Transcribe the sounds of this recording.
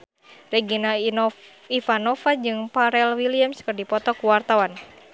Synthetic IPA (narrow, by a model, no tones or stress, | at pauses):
rɛɡina | ifanɔfad͡ʒɨŋpaɾɛlwiliamskɨrdipɔt̪ɔkuwart̪awan